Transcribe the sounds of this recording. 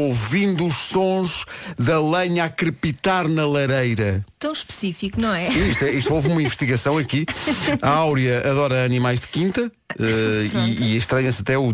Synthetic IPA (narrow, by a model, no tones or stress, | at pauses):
ovĩnd̪uːʃsõʒðɐlˠɐɲakɾɨpit̪aɾnɐlˠɐɾejɾɐt̪ɐ̃w̃ʃpɨ̥sifikunɐ̃w̃ɛsĩiʃt̪ɛiʃt̪ovumɐĩvɨʃt̪iɣɐsɐ̃w̃ɐkiɐawɾjɐɐðɔɾɐɐnimajʒðɨkĩnt̪ɐ | ɛiːẽʃt̪ɾɐɲɐsɐt̪ɛu